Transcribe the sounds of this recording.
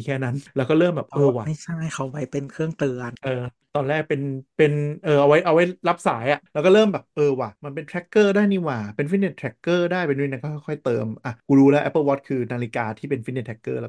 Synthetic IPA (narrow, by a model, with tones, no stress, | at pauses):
i˧kʰɛː˥˩na˦˥nlɛ˦˥kɔː˥˩ɾɤː˥˩mbɛː˨˩p̚ʔoː˧˩waː˨ma˥˩jt͡ɕʰa˥˩jkʰa˧˩wpa˧jpe˧nkʰɯ˥˩əŋt̪ɯ˧ənʔɤː˧ | t̪ɔː˧nɾɛː˥˩k̚pe˧npe˧nʔɤː˧˩ʔa˧wa˦˥jʔa˧wa˦˥jla˦˥p̚sa̰ː˩˦jʔa˨˩ʔlɛː˦˥wkɔː˥˩ɾɤː˥˩mbɛː˨˩pʔɤː˧waː˨˩ma˧npe˧nt̪ʰɾɛ˦˥kːɤː˥˩daː˥˩jniː˧˩waː˨˩pe˧nfi˦˥t̚ne˧˩t̪ʰɾɛ˦˥kːɤː˥˩daː˥˩jpe˧nː˦˥˩na˧kɔː˥˩xʰɔ˥˩jxʰɔ˥˩jt̪ɤː˧mʔa˧˩kuː˧ɾuː˦˥lɛː˦˥ʔɛ˦˥pːɤː˥˧˩wɔː˦˥t̪̚kʰɯː˧naː˧li˦kaː˧t̪ʰiː˥˩pe˧nfi˦˥ne˧˩t̪ʰɛ˦˥kːɤː˥˩lɛ˦˥